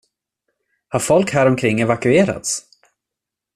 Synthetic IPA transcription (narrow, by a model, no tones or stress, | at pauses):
haɾfɔlkhæːɾɔmkʰɾɪŋːɛvakɵeːɾa̰t̪s